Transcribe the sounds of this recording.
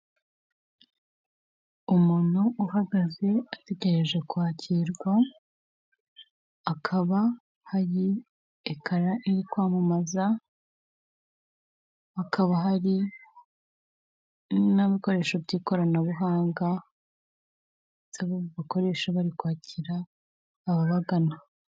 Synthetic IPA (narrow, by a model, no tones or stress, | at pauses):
umuːn̥huʔuɦaɡaze̞ate̞ɟe̞ɾe̞ʒe̞kwaːcʰiɾɡwa | kʰaβa | haɾi | ekʰaɾaʔiɾikwaːmumaza | akʰaβaɦaɾi | naβiko̞ɾe̞ːʃobɟiːko̞ɾanaβuɦaːŋɡa | z̥aβoβako̞ɾe̞ʃaβaɾikwaːciɾaː | βaβaɡana